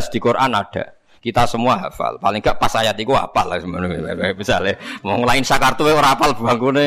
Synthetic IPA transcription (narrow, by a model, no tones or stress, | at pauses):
sd̪̥i̤koɾʔanaɖ̥a̤ | kit̪asəmuaɦafa̰lpalɪŋɡaʔpasajat̪ikua̰palasəmanub̥isalemmɔŋlaɪnsakart̪uweoɾaapalb̥ṳaŋkune